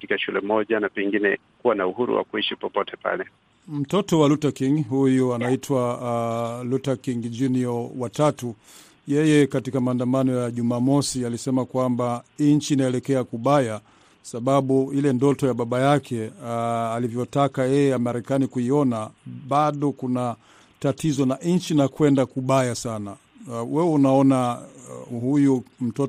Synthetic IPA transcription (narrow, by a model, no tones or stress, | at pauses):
katikaʃulɛmɔʄanapɛŋɡinɛ | kuwanauhuɾṵwa̰kuiʃipɔpɔtɛpa̰lɛ | m̩tɔtɔwalutakiŋɡɦujuanaitʰwa | lutakiŋɡd͡ʒuniɔwatatu | jɛjɛkatikamaːndamanɔjaʄumaːmɔsialisɛmakwambaiɲ̩t͡ʃiːnaɛlɛkɛakuɓaja | saɓaɓuilɛndɔtɔjaɓaɓajakʰɛ | alivjɔtakajɛjɛjamaɾɛkanikuiɔnaɓaɗɔkuna | tatizɔnaɲ̩t͡ʃinakwɛndakuɓajasana | wɛwɛunaɔna | hujum̩tɔ